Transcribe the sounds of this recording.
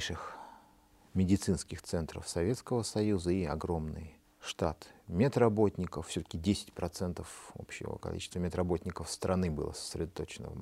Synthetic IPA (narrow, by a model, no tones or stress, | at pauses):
ʂɨx | mʲɪdʲɪt̪sɨnskʲɪxt̪sɛnt̪ɾə̰fsɐvʲe̞t̪skəvəsɐjuzəiɐ̰ɡɾo̞mnɨ̰j | ʂt̪at̪mʲet̪ɾɐbo̞tʲnʲɪkəffsʲɵt̪ə̥kʲɪdʲesʲɪ̥tʲpɾɐt̪sɛnt̪əfo̞̰pɕɪ̰və̰kɐ̰lʲḭt͡ɕɪ̥st̪vəmʲɪt̪ɾɐbo̞tʲnʲɪkəfst̪ɾʔɐnɨbɨ̰lˠə̰sə̥sʲɾʲɪd̪at̪o̞t͡ɕɪnə̰və̰